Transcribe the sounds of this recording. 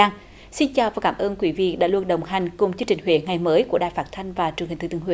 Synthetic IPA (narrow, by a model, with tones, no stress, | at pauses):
ŋ | si˧nt͡ɕaː˨˩wvaː˨˩kaː˧˩mʔəː˧nkwi˨˦vḭ˧˨ɗa̰ː˧˥lu˧ənɗə˨˩wŋ͡mɦa˨˩jŋ̟kʊ˨˩ŋ͡mt͡ɕɨ˧ŋt͡ɕï˨˩ŋ̟ɦwḛ˧˨˦ŋa˨˩jməː˨˦jku˧˩əɗa̰ː˧˨jfaː˦˥t̚t̪ʰa˧jŋ̟vaː˨˩t͡ɕŋi˨˩ŋ̟t̪ɨ˧˩t̪ːŋw̰